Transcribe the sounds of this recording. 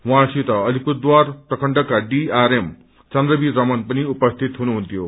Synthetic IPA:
wãsit̪ʌʌlipud̪warprʌkʰʌɳɖʌkaɖiaɾem | t͡sʌndrʌbiɾʌmʌnpʌniupʌst̪ʰit̪ɦunuɦunt̪ʰjo

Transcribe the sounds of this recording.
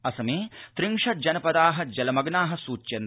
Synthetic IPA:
ɐsɐmeːt̪ɾiŋʂɐd͡ʒɐnɐpɐd̪aːɦɐd͡ʒɐlɐmɐɡnaːɦɐ̆suːt͡ʃːjɐn

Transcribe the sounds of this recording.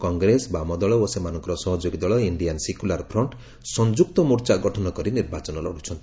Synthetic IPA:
kɔŋɡɾesbamɔd̪ɔɭɔosemanɔ̃ŋkɔɾɔsɔɦɔd͡ʒoɡid̪ɔɭɔiɳɖijansekulaɾpʰɾɔɳʈ | sɔnd͡ʒuk̚t̪ɔmuɾt͡ʃaɡɔʈʰɔnɔkɔɾiniɾbat͡ʃɔnɔlɔ̰ɽ̤ut͡ʃʰɔnt̪i

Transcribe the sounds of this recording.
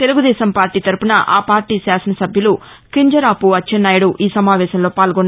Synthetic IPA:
t̪e̞luɡud̪ɛːʃɐmpaːɾʈiːt̪ɐɾupunɐʔaːpaːɾʈiːsaːsɐnɐsɐbʱjɐlu | kiɲd͡ʒɐɾaːpuɐt͡ʃːʃʰɐnːaːjɐɽuʔiːsɐmaːʋɛːʃɐmlo̞ːpaːlɡɔnːa

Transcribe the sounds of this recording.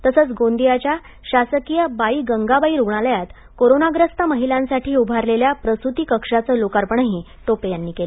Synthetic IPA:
t̪əsəːt͡sɡond̪ijat͡ɕja | ɕasəkijəbaiːɡəŋɡabaiɾuɡɳ̃aləjat̪ | koɾonaɡɾəst̪əməɦilãnsaʈʰiːubʱaɾleljapɾəst̪ut̪iːkəkʂat͡səːlokaɾpəɳaɦiː | t̪opejanːiːkelə

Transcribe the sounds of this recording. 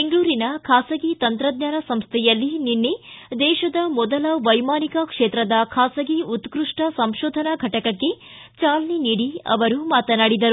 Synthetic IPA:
beŋɡɭuːɾinɐkʰaːsɐɡit̪ɐnt̪ɾɐd̪ɲaːnɐsɐmst̪ʰɛjɐlːininːed̪ɛːʃɐd̪ɐmɔd̪ɐlɐʋɐjmaːnikɐkʂeːt̪ɾɐd̪ɐkʰaːsɐɡiut̪kɾuʂʈɐsɐmʃɔːd̪ʱɐnaɡʱɐʈɐkɐkːe̞ | t͡ʃaːlɐniniːɽiɐ̰ʋɐɾumaːt̪ɐnaːɽid̪ɐɾu

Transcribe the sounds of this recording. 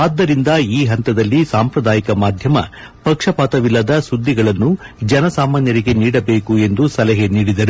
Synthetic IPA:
aːd̪ːɐɾind̪ɐiːɦɐnt̪ɐd̪ɐlːisaːmpɾɐd̪aːjikɐmaːd̪ʱjɐmɐ̰ | pɐkʂɐpaːt̪ɐʋilːɐd̪ɐsud̪ːiɡɐɭɐnːud͡ʒɛnɐsaːmaːnjɐɾiɡe̞niːɽɐbe̞ːkue̞nd̪usɐlɐɦeniːɽid̪ɐɾu

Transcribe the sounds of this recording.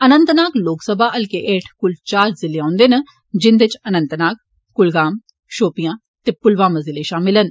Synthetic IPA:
ənənt̪naːkloːksəbʱaːʔəlkeʔeːʈʰkʊlt͡ʃaːɾzɪleãːnd̪eːnə | d͡ʒɪnd̪ɪt͡ʃənənt̪naːk̚ | kʊlɡaːm | ʃoːpijãː | t̪eːpʊlʋãːməzɪleːʃaːmɪlən

